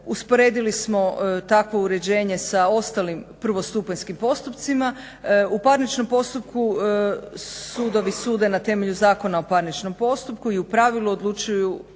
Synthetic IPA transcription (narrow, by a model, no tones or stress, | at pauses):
uspo̞ɾe̞ːd̪ilismo̞t̪akʋo̞uɾe̞d͡ʑe̞ːɲe̞sao̞st̪alimpr̩ʋo̞st̪upanskimpo̞st̪upt̪sima | upaɾnit͡ʃno̞mpo̞st̪up̚ku | suːd̪o̞ʋisuːd̪enat̪e̞me̞ʎuzaːko̞naopaɾnit͡ʃno̞mpo̞st̪up̚kuiupɾaʋiluod̪lˠut͡ʃuju